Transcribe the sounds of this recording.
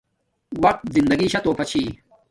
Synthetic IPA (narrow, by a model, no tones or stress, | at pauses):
wɐq̚t̪̚zind̪ɐɡiːɕɐt̪oːpʰɐt͡ɕʰiː